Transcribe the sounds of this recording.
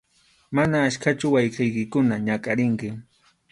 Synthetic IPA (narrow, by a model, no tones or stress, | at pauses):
manaːʃkat͡ʃʊwajqɪjkɪkʊnaɲakʼaɾɪŋkɪ